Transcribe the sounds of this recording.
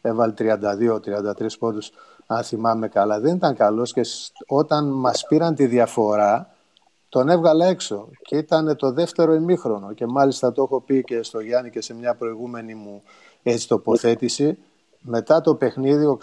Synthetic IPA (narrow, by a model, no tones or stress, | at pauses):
e̞vɐlet̪ɾiɐnd̪ɐðio̞t̪ɾiɐnd̪ɐt̪ɾispo̞t̪us | ɐnθimɐme̞kɐlɐðe̞nit̪ɐŋkɐlo̞sceo̞t̪ɐnmɐspiɾɐnt̪iðiɐfo̞ɾɐ | t̪o̞ne̞vɣɐlɐe̞kso̞ceit̪ɐne̞t̪o̞ðe̞ft̪e̞ɾo̞imixɾo̞no̞ce̞mɐlist̪ɐt̪oe̞xo̞pice̞st̪o̞ʝɐnice̞se̞mɲɐpɾo̞iɣume̞nimu | e̞t͡si̥t̪o̞po̞θe̞t̪isi | me̞t̪ɐt̪o̞pe̞xniðio̞